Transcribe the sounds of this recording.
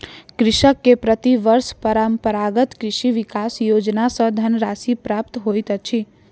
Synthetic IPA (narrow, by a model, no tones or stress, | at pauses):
kɾɪʃəkːepɾət̪iʋəɾʃpəɾəmpəɾaɡət̪kɾɪʃiʋikasjod͡ʒnasə̃d̪ʱənɾasipɾap̚t̪ɦojt̪ət͡ʃʰi